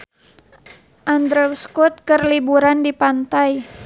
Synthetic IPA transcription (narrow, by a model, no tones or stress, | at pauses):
ʔand̪ɾɛuskut̪̚kərlibuɾandipant̪aj